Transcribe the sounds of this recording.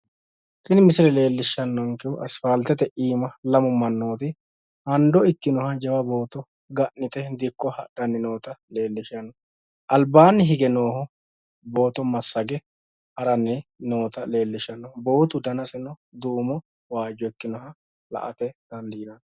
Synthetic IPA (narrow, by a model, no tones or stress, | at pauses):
t̪ɪnɪmɪsɪlɛle̞ːlːɪʃːɐnːɔŋkɛʔɐsfɐlt̪ɛt̪ɛʔiːmɐlɐmʊmɐnːo̞ːt̪ɪ | hɐnd̪ɔɪkːɪnɔhɐd͡ʒɐwɐbo̞ːt̪ɔ | ɡɐʔnɪt̪ɛd̪ɪkːɔhɐ̰ɗɐnːɪno̞ːt̪ɐle̞ːlːɪʃɐnːɔ | ʔɐlbaːnːɪɦɪɡɛno̞ːhɔ | bo̞ːt̪ɔmɐsːɐɡɛ | hɐɾɐnːɪnoːt̪ɐle̞ːlːɪʃɐnːɔbo̞ːt̪ʊd̪ɐnɐsɪnɔd̪uːmɔ | waːd͡ʒːɔɪkːɪnɔɦɐ | lɐ̰ʔɐ̰t̪ɛd̪̥ɐnd̪iːnɐn